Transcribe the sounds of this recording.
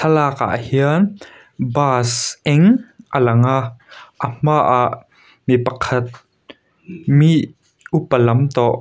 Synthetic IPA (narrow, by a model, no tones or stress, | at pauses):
sʰɐlaːka̰ʔhiən | baːsʔɛŋʔəlɐŋaʔʔəmaʔaʔ | mipɐkʰɐt̪̚ | miʔ | ʔupəlɐmt̪ɔʔ